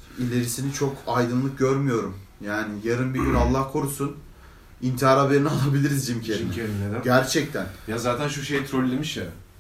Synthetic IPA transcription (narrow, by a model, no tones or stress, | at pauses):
ilʲe̞ɾisinit͡ʃʰo̞kʰajd̪ɯnlˠɯk̚ɟøɾmyjo̞ɾum | jaːnijaɾɯnbiɡʲynalˠːahkʰo̞ɾusun | int̪ʰiɦaːɾave̞ɾinialˠabilʲiɾizd͡ʒimcʰeɾimieɾneɟæɾt͡ʃʰɛc̚t̪ʰænjazaːt̪ʰænʃuʃejt̪ʰɾolʲːemiʃja